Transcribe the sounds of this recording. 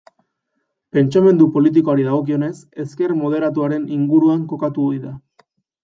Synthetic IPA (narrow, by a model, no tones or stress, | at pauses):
pe̞nt͡ʃame̞nd̪upo̞lit̪̬iko̞aɾiðaɣ̞o̞k̬io̞ne̞se̞ske̞rmo̞ð̞e̞ɾat̪̬uaɾe̞niŋɡuɾuaŋko̞kat̪uojða